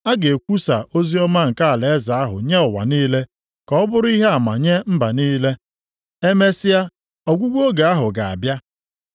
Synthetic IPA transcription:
a˦ɡe˨kʷu˦sa˨ʔo˦zi˦ɔ˦ma˦ŋ̩˨ka˦a˨le˨e˦za˨a˦ɦʊ̰˨ɲe˦ʊ˨wa̰˨niː˦le˦ | kɔ˨ɔ˦bʊ˦ɾʊ˦i˦ɦe˦a˨ma̰˨ɲe˦m̩˦ba˨niː˦le˦ | e˦me˦sɪ˦ja˦ | ɔ˨ɡʷu˦ɡʷo˦ɡa˨a˦ɦʊ˨ɡa˨a̰˨bja˦

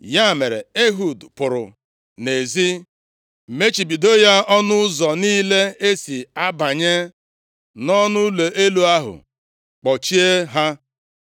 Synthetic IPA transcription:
ja˦˨me˨ɾḛ˨e˦ɦu˨dpʊ˨ɾʊ̰˨ | ne˨zi˦ | m̩˨me˦t͡ʃi˨bi˨do˦ja˦ɔ˦nʊ˦zɔ˨niː˦le˦e˦si˨a˦ba˨ɲe˦ | nɔ˦nʊ˦lo˨e˦lu˨a˦ɦʊ̰˨ | k͡pɔ˨t͡ʃi˦e˦ɦa˦

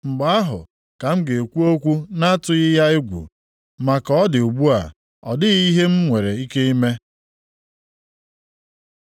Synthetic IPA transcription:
ŋ͡m̩˨ɡ͡ba˨a˦ɦʊ̰˨ | ka˨m̩˦ɡe˨e˨kʷu˦o˦kʷu˦na˦tʊ˨ɣɪ˦ja˦ɪ˦ɡʷṵ˨ | ma˨kɔ˦dɪ˨u˨ɡ͡bu˦a̰˨ | ɔ˨dɪ˦i˦ɦe˦m̩˦ŋʷe˨ɾe˨i˦ke˦i˦me˦

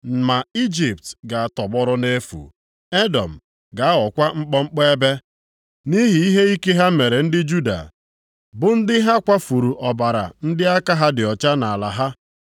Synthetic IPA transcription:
m̩˨ma˨i˦d͡ʒi˨p̚tɡa˨a˨tɔ˨ɡ͡bɔ˦ɾɔ˦ne˦fṵ˨ | e˦dɔ˨m̩˨ | ɡa˨a˦ɔ˨kʷa˦ŋ͡m̩˦k͡pɔ˦ŋ͡m̩˦k͡pe˦e˦be˦ | ni˦ɦi˨i˦ɦe˦i˦ke˦ɦa˦me˨ɾe˨n̩˦dɪ˦d͡ʒu˦da̰˨ | bʊ˨n̩˦dɪ˦ɦa˦kʷa˦fu˨ɾu˨ʔɔ˨ba˨ɾa̰˨n̩˦dɪ˦a˦ka˦ɦa˦dɪ˨ɔ˨t͡ʃa˦na˨a˨la˨ɦa˦

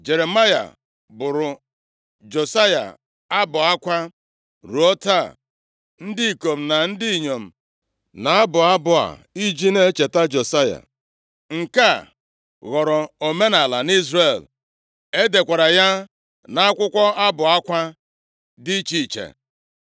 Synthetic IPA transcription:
d͡ʒe˨ɾe˨ma˦ja̰˨ | bʊ˨ɾʊ˨ | d͡ʒo˨sa˦ja̰˨ | a˦bʊ˨a˦kʷa˦ | ɾu˨˦o˦ta˦˨ | n̩˦dɪ˦i˨ko˨m̩˨na˨n̩˦di˦i˨ɲo˨m̩˨ | na˨a˦bʊ˨a˦bʊ˨a̰˨i˦d͡ʒi˦ne˦t͡ʃe˨ta˦d͡ʒo˨sa˦ja̰˨ | ŋ̩˨ka˦˨ | ɣɔ˨ɾɔ˨o˨me˦na˨la˨ni˦zre˦˨l | e˦de˨kʷa˨ɾa˨ja˦ | na˦a˦kʷʊ˦kʷɔ˦a˦bʊ˨a˦kʷa˦ | dɪ˦t͡ʃi˦˨t͡ʃḛ˨

